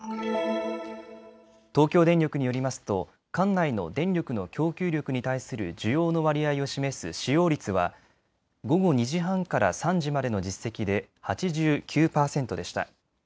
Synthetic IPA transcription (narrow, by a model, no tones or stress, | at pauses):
t̪o̞ːkʲo̞ːd̪ẽ̞nʲokɯ̟ɲ̟ijo̞ɾʲimasɨ̥t̪o̞ | kãnːaino̞̰d̪ẽ̞nɾʲo̞kɯ̟no̞kʲo̞ːkʲɨːɾʲo̞kɯ̟ɲ̟it̪aisɨɾɯ̟̰d͡ʑɨjo̞ːno̞βaɾʲiaio̞ɕime̞sɨ̰ɕijo̞ːɾʲit͡sɨβa̰ | ɡo̞ɡo̞ɲ̟iʑiɦãŋkaɾa̰sãɲd͡ʑimad̪e̞no̞d͡ʑisːe̞kʲid̪e̞ | hat͡ɕiʑɨːkʲʰɨːpaːsẽ̞nt̪o̞d̪e̞ɕi̥t̪a̰